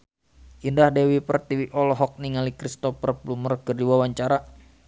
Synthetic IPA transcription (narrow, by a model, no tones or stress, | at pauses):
ʔindahdewipərt̪iwiʔɔlɔɦɔk̚niŋalikɾist̪ɔpərplumərkərdiwawaɲt͡ʃaɾa